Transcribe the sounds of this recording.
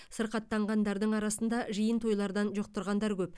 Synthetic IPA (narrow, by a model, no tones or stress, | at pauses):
səɾqɑt̪ːɑɴʁɑnd̪ɑɾd̪əɴɑɾɑsənd̪ɑʒəjənt̪ʰo̞jlˠɑɾd̪ɑnʒoq̚t̪ʊɾʁɑnd̪ɑɾkʲʰɵp